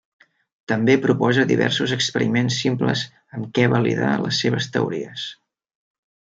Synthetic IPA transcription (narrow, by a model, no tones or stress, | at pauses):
t̪əmbepɾupɔzəðiβɛ̰rsuzəkspəɾimensːimpləz | əmkɛβəliða̰ləsːeβ̞əst̪əuɾiəs